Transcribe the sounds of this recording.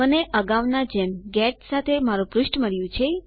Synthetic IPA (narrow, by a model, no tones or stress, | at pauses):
əneʔəɡaʋnad͡ʒemɡɛʈsat̪ʰemaɾũpɾʊʃʈməɾjũt͡ʃʰe